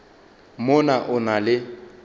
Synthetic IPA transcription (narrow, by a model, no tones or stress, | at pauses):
mʊnaʔʊnalɪ